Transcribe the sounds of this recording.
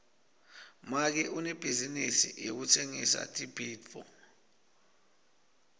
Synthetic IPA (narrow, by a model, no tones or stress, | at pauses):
mak̬ɛʔunɛb̥ʱizinisḭjok̬utʰeŋisa̰tʼibʱidfɔ̰